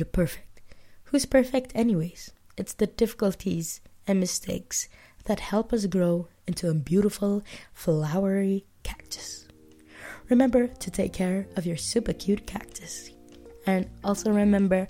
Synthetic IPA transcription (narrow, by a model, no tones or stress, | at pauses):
ɨpʰɜ˞fɪ̥k̚t̚huz̥pʰɜ˞fɪk̚tʰɛniweɪz̥ | ɨtsðɨdɪfə̥kəl̩ˠtʰizɨ̃nmɨstʰeɪks | ðɨt̚hɛlˠpʌs̬ɡɹoʊ | ɪ̃ntʰuəbjʉɾəfl̩ˠflaʊə˞i | kʰæk̚tʰɨ̥s | ɹɨmɛ̃mbə˞ɾʰɨtʰeɪkʰɛɹʌvjə˞sʉpɨkʰj̥ʉt̚kʰæk̚tʰɨs | ɨ̃nɔlˠsoʊɹɨmɛ̃mbə˞